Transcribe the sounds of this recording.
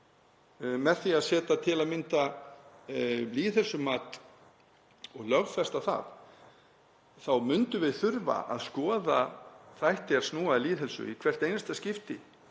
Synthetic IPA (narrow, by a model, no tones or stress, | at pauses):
mɛðθiaðsɛːt̪at̪ʰɪlaðmɪnt̪a | liːðɦɛlsʏmaːt̪ | ɔɣlœɣfɛst̪aθa̰ð | θawmʏnt̪ʏvɪðθʏɾva̰ʔa̰ðskɔːðaθajht̪ɪaɾsnuːaliːðɦɛlsʏ̰ikʰvɛr̥t̪ejnst̪ascɪft̪ɪ